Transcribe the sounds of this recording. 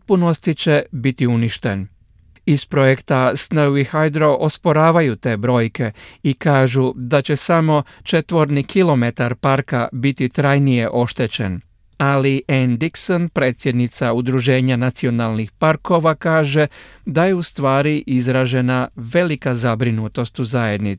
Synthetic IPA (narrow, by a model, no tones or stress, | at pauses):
t̪̚puno̞st̪it͡ɕebit̪iuniʃt̪en | ispɾo̞jekt̪asnəwixajd̪ɾo̞ʔospo̞ɾaːʋajut̪e̞ːbɾo̞ːjke̞ikaːʒud̪at͡ɕe̞samo̞t͡ʃet̪ʋo̞ɾnikʰilo̞me̞t̪aɾpaɾkabit̪it̪ɾajnije̞ʔo̞ʃt̪et͡ɕe̞̰n | aliʔend̪iksonpɾe̞ːt̪sʲje̞d̪nit̪saud̪ɾuʒe̞ːɲanat̪sio̞nalˠnixpaɾko̞ʋakaːʒe̞d̪ajeust̪ʋaːɾiʔizɾaːʒe̞naʋe̞likazabɾinut̪o̞st̪uzaje̞d̪ni